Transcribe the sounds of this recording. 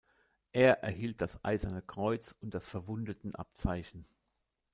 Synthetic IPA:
ʔeːɐʔɛɐɦiːlt̚d̥asʔa̰ɪzɐnəkʁ̥ɔʏt͡sʊnt̚d̥asfɛɐvʊndətn̩ʔa̰p̚t͡saɪçn̩

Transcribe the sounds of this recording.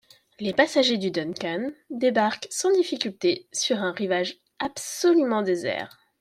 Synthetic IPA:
lepasaʒed̪yd̪ɔnkʲand̪ebaʁksɑ̃d̪ifikʲylt̪esyʁɛ̃ʁivaʒ | absɔlymɑ̃d̪ezɛ̰ːʁ

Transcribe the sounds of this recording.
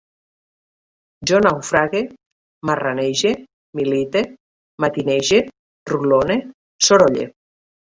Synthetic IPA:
d͡ʒonawfɾaɣe | maraneʒe | milit̪e | mat̪ineʒe | rulone | soɾoʎḛ

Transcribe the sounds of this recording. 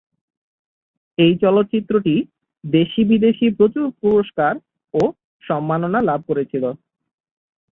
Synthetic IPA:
ejt͡ɕɔlot̪ːt͡ɕit̪ːɾoʈi | d̪eʃibid̪eʃipɾot͡ɕuɾpuɾoʃkaɾ | o | ʃɔmːanonalab̚ʱkoɾet͡ɕʰilo

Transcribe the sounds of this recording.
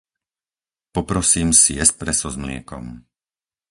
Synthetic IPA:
pɔpɾɔsiːmsijɛspɾɛsɔzmlɪɛ̰kɔ̰m

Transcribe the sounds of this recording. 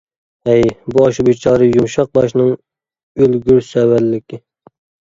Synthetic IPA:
ɛjbuɑʃubit͡ʃʰɑːɾɨjumʃɑq̚bɑʃnɨŋ | ølɡʲyɾsɛwælːɪkʲʰɪ

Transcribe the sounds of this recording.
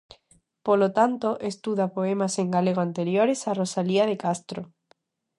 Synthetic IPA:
polot̪ant̪oʔest̪uðapoemaseŋɡaleɣoant̪eɾjoɾesarosaliað̞ekast̪ɾo

